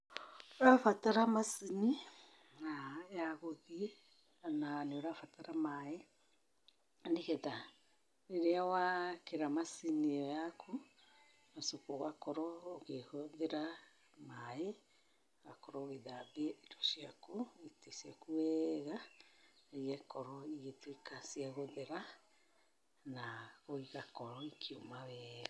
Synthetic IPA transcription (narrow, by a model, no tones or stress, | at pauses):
oɾafataɾamasini | aeaɣoði | ananeoɾafataɾamae | aniketa | ɾeɾeawakeɾamasiniojakʰu | masokoɣakoɾoːɣehoðeɾa | mae | ɣakɔɾɔɣeðabeiɾɔsiakoetesiakuɛɣa | iɣɛkɔɾɔiɣetekasiaɣoðeɾa | naɣoiɣakɔɾɔikʰiomawɛɣa